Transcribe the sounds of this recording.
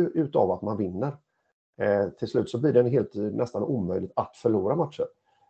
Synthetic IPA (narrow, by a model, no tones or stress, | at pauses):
ɵʔʉ̟ːt̪a̰vat̪manvɪnːəɾ | t̪ʰɪlslʉ̟ːt̪sɔbliːɖɛnɦeːlt̪nʔɛst̪anuːmœjlɪɡ̚t̪at̪fœɭuːɾamat̪ʂəɾ